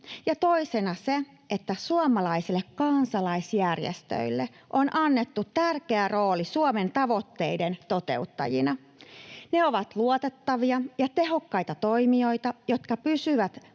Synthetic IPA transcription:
jɑt̪o̞isenɑse | ʔet̪ːæsuomɑlɑisilːekkɑnsɑlɑisjærjḛst̪ø̰ilːe | ʔonʔɑnːet̪ːut̪t̪ːærkeæro̞ːlisuoment̪ɑʋo̞t̪ːe̞̰ident̪o̞t̪e̞̰ut̪ːɑ̰jḭnɑ | neoʋɑt̪luot̪et̪ːɑʋiɑjɑt̪eɦo̞kːɑjt̪ɑt̪oimio̞jt̪ɑjot̪kɑpysyʋæt̪

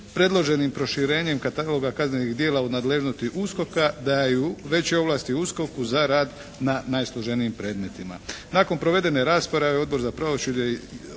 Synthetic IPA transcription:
pɾe̞d̪lo̞ʒe̞nimpɾo̞ʃiɾe̞ːɲe̞mkat̪alˠo̞ɡakazneniɣd̪jeːlˠaunaːd̪le̞ʒnost̪iʔusko̞kad̪ajuʋe̞t͡ɕeo̞ʋlaːst̪iusko̞kuzaɾaːd̪ | nanaːjslˠoʒeniimpɾe̞ːd̪me̞t̪ima̰naːko̞npɾo̞ʋe̞d̪e̞ne̞ɾaːspoɾaʋeo̞d̪̚bo̞ɾzapɾoʋosude

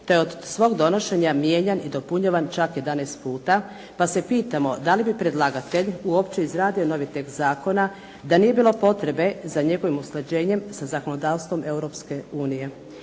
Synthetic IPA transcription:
t̪ojeod̪sʋo̞ːɡd̪o̞no̞ʃe̞ɲamje̞ɲanid̪o̞puɲaʋant͡ʃakje̞d̪anest̪puːt̪a | pase̞piːt̪amo̞d̪alibipɾed̪lˠaɡat̪e̞ʎuo̞pt͡ɕeizɾaːd̪iono̞ʋit̪e̞kt̪zaːko̞na | d̪anije̞biːlˠo̞po̞t̪ɾe̞be̞zaɲe̞ɡo̞ʋimusled͡ʑe̞ːɲe̞msazako̞no̞d̪aːʋst̪ʋo̞mʔe̞uɾo̞pske̞uːnije̞

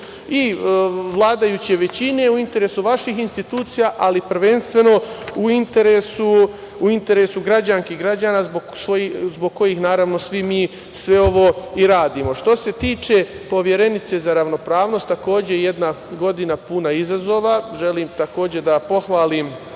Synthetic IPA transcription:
iʋlˠaːd̪ajuːt͡ɕieʋe̞t͡ɕine̞uint̪e̞ɾesuʋaʃixinst̪it̪uːt̪sijaʔalipɾʋe̞nst̪ʋe̞no̞uint̪e̞ɾeːsuː | int̪e̞ɾe̞suɡɾad͡ʑanskiɡɾad͡ʑaːnazboɡsojizbo̞ɡ̚ko̞jixnaːɾaʋno̞sʋimiː | sʋe̞o̞ʋo̞iɾaːd̪iːmo̞ʃt̪o̞se̞t̪iːt͡ʃe̞po̞ʋje̞ɾe̞nit̪se̞zaɾaʋno̞pɾaːʋno̞st̪ːako̞ːd͡ʑejed̪naɡo̞d̪inapunaizazo̞ːʋaʒe̞liːmt̪ako̞ːd͡ʑe̞d̪apo̞xʋaːlim

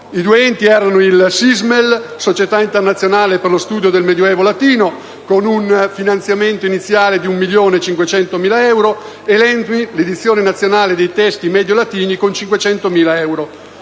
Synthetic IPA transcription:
id̪uɛnt̪iɛːɾanoilsizmelsot͡ʃet̪aint̪ernat̪sːjonaːleperlost̪uːd̪jod̪elmed̪joɛːvolat̪iːno | konunfinant̪sjament̪oinit̪sːjaːled̪iumːiljoːnet͡ʃiŋkwet͡ʃɛnt̪omiːlaɛwɾo | elɛnt̪miled̪it̪sːjoːnenat̪sːjonaːled̪ejt̪ɛst̪imɛːd̪jolat̪iːnikont͡ʃiŋkwet͡ʃɛnt̪omiːlaɛwɾo

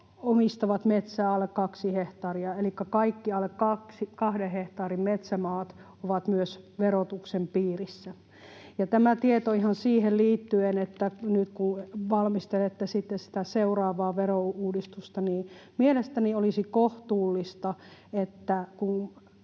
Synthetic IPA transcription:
omist̪ɑʋɑt̪met̪sæːɑlːekkɑksiheht̪ɑːriɑelikːækɑikːiɑlːekkɑksikɑhdeheht̪ɑːrimmet̪sæmɑːt̪ | oʋɑt̪myøsʋeɾot̪uksempiːrisːæ | jɑt̪æmæt̪iet̪oihɑnsiːhelliːt̪ːyenet̪ːænyt̪kunʋɑlmist̪elet̪ːæsit̪ːessi̥t̪æseurɑːʋɑːʋerouːdist̪ust̪ɑniːmielest̪æniolisikoht̪uːlːist̪ɑet̪ːækun

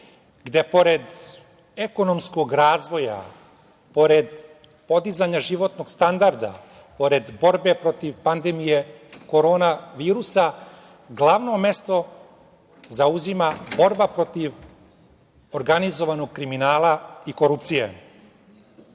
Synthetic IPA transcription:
ɡd̪epo̞ɾed̪ | eko̞no̞msko̞ɡɾaːzʋo̞ja̰ | po̞ɾed̪ | po̞d̪izaɲaʒiʋo̞t̪no̞ɡ̥st̪and̪aɾd̪a̰ | po̞ɾe̞d̪bo̞ɾbe̞pɾo̞t̪iʋpand̪emije̞ko̞ɾo̞ːnaʋiːɾusa | ɡlˠaːʋno̞me̞st̪o̞ | zauzimabo̞ɾbapɾot̪iʋ | oɾɡanizo̞ʋanoɡ̚kɾiminaːlˠaiko̞ɾupt̪sijḛ

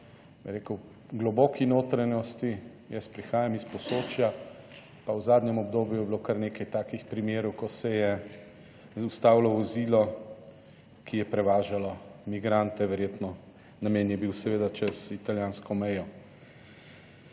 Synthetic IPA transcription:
biɾeːkɔw | ɡlɔbɔːkinoːt̪ɾanɔst̪i | jɛspɾixaːjamispɔsoːt͡ʃja | pawzaːd̪nʲjɛmɔbd̪oːbjujɛbilokaɾneːkajt̪aːkixpɾimjeːɾɔwkɔsɛjɛ | ust̪aːwlɔʋɔziːlɔ | kʰijɛpɾɛʋaːʒalɔmiɡɾaːnt̪ɛʋɛɾjeːt̪nɔ | namɛnjɛbiwsɛʋeːd̪at͡ʃɛzit̪aljaːnskɔmɛjɔ

